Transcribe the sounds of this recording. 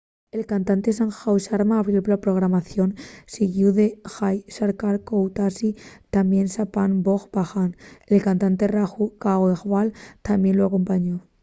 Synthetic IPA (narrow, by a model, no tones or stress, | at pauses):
e̞lkant̪ant̪e̞saŋxawʃaɾmaːβɾjoplapɾo̞ɣ̞ɾamaθjo̞nsiɣjuðexajsaɾkaɾkowt̪asit̪amje̞nsapanboxbaxane̞lkant̪ant̪e̞raxukawexwalt̪amje̞nloako̞mpaɲo